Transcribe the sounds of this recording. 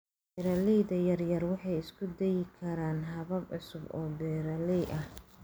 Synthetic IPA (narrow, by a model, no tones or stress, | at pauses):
bɛɾɐlɛjðɐjɐrjɐrwɑħɑjɪskʰʊd̪ɛjɪkʰɐɾaːnɦɐβɐbʕʊsʊbɔːbɛːɾɐlɛjʔɐh